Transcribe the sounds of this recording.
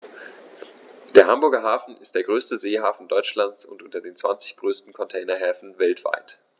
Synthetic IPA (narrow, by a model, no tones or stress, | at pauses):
d̥eːɐɦambʊɐɡɐɦaːfn̩ʔɪst̚d̥eːɐɡʁøːstəzeːɦaːfn̩dɔʏt͡ʃlant͡sʊ̰ntʔʊntɐdeːnt͡sv̥a̰nt͡sɪ̥çɡ̥ʁøːstn̩kʰɔntʰɛːnɐɦɛːfn̩vɛltv̥a̰ɪt